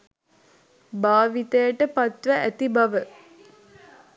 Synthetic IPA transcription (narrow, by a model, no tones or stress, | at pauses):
baːʋit̪əjəʈəpat̪ʋəʔæt̪ibaʋə